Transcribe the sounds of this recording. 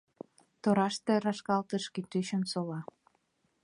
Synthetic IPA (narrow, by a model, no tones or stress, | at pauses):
t̪oɾɑʃt̪eɾɑʃkɑlt̪əʃkit̪yɕənsolɑ